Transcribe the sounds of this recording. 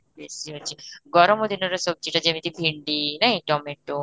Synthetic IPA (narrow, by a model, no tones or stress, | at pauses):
besiɐt͡ʃʰiɡɔɾɔmod̪inoɾasɔb̚t͡ɕiʈad͡ʑemit̪ibʱiɳɖinaɦĩʈɔmeʈːo